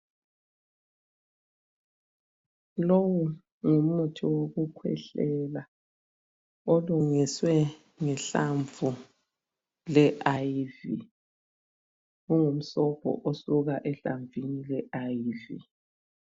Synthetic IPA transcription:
lowu | ŋumutʰiwoɣukʰwɛ̰ɬɛla | oluŋiswɛ | ŋɛɬaɱvu | lɛʔaivḭ | uŋum̩sɔpʰʼɔ̰ʔosuɣaʔɛɬaɱvʱinilɛʔajivḭ

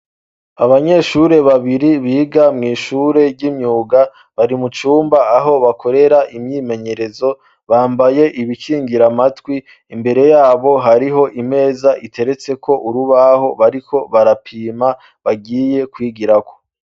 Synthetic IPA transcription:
aβaɲe̞ʃuɾe̞βaβiɾiβiːɡamŋiːʃuɾe̞ɟimɲuːɡa | βaɾimut͡ʃuːmbaːɦo̞βakʰo̞ɾe̞ɾaʔimɲiːme̞ɲe̞ɾe̞zo̞ | βaːmbaje̞ʔiβiciːŋɡiɾamatwi | imbe̞ɾe̞jaːβo̞ɦaɾiɦo̞ʔime̞ːzaʔitʰe̞ɾe̞t͡se̞kʰo̞ʔuɾuβaho̞βaɾikʰo̞βaɾapʰiːma | βaɡiːje̞kwiːɡiɾakʰo̞̥

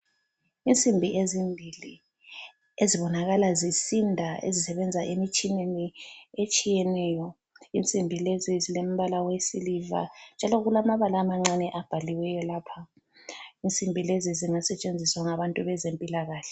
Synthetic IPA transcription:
int͡sʼimbʱiʔezimbʱili | eziβɔnaɣalazisindʱaḛzisɛβɛnd͡zʱaʔemit͡ʃʼineniet͡ʃʼijɛnɛːjɔ | int͡sʼimbʱilezizilem̩βalawesiliva̰nd͡ʒʱalɔɣulamaβalamaŋ͡ǀanɛʔab̥ʱaliwɛjɔlaːpʰa | int͡sʼimbʱileziziŋasɛt͡ʃʼend͡zʱiswaŋaβantʼuβɛzempʼilaɣaːɬɛ

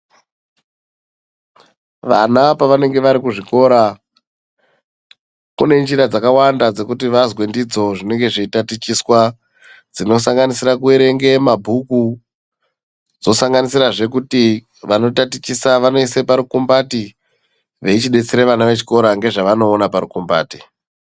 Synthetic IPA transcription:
ʋa̰napaʋane̞ŋɡe̞ʋaɾikuʐiko̞ɾa | kune̞nd͡ʒiɾad͡zakawandad͡ze̞kut̬iʋazwe̞ndid͡zo̞ʐine̞ŋɡe̞ʐiitatit͡ʃiswa | d͡zino̞saŋɡanisiɾakueɾe̞ŋɡe̞mabʱuku | d͡zo̞saŋɡanisiɾaʐe̞k̬uti | ʋano̞tatit͡ʃisaʋano̞ise̞paɾukumbati | ʋe̞it͡ʃiɗe̞t͡seɾeʋanaʋe̞t͡ʃi̥ko̞ɾaŋɡe̞ʐaʋano̞ːnapaɾukumba̰ːti̥

